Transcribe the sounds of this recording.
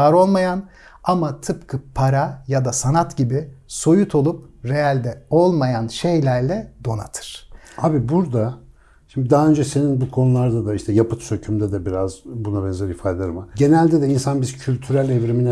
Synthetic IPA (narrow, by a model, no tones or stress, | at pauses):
aɾo̞lˠmajan | amat̪ʰɯpkʰɯpʰaɾajad̪asanat̪ɟibɪso̞jut̪ʰo̞lˠupɾe̞jalʲd̪ɛo̞lˠmajanʃe̞jlʲæɾlʲɛd̪̥o̞na̰t̪ʰɯ̥ɾ̥abibuɾd̪a | ʃimd̪id̪aɦaønd͡ʒɛse̞ninbukʰo̞nulˠaɾd̪ad̪aiʃt̪ʰɛjapɯt̪sø̞cʰymd̪ɛd̪ɛbiɾazbunabɛnzɛɾifaːd̪ʲed̪aɾmaɟe̞nælʲd̪ɛd̪ɛinsanbizcʰylʲt̪ʰyɾælʲevɾiminɛ